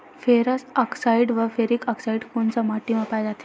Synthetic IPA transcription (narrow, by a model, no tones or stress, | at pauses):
feɾəsaksaiɽʋəfeɾikɔksaiɖkunsəmaʈimapajd͡zat̪ʰe̥